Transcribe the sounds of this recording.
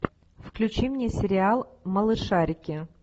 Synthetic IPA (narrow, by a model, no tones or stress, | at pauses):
fklʲʉt͡ɕimnʲesʲɪɾʲɪalˠməlˠɨʂaɾʲɪkʲɪ